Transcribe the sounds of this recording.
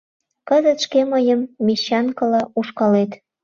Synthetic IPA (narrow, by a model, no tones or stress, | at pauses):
kəzət̪ʃkeməjəmːeɕɑnkə̆lɑuʃkɑlet̪